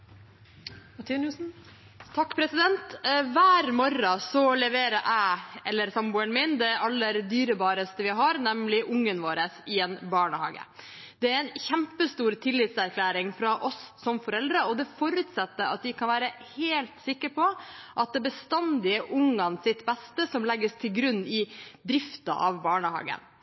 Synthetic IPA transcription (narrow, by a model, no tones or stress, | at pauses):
ɑt̪ʰinusn̩ | t̪ʰɑkːpʰɾɛsɪd̪ɛnt̪ʋæːɾmɔɾɑsɔlɛʋeːɾəɾʔæɪɛlːəɾsɑmbuːənmɪnd̪ɛʔɑlːəɾd̪yːɾəbɑːɾəst̪əʋɪɦɑɾnɛmlɪʔʊŋːənʋoːɾəsɪɛnbɑːɳəhɑ̰ːɡə̰ | d̪̥ɛæɾɛnçæmpəst̪uːɾt̪ʰɪlːɪt̪sæɾkʰlæːɾɪŋfɾɑʔɔsːɔmfɔɾɛld̪ɾəɔd̪ɛfɔɾʉt̪sɛt̪ːəɾɑ̰t̪̚d̪ɪkʰɑnʋæːɾə | heːlt̪sɪkːəɾpʰɔʔɑt̪̚d̪ɛbəst̪ɛnd̪ɪəʔʊŋɑnsɪt̪bɛst̪əsɔmlɛɡːəst̪ʰɪlɡɾʉnːɪd̪ɾɪft̪ɑ̰ʔɑ̰ʋbɑːɳəhɑ̰ːɡə̰n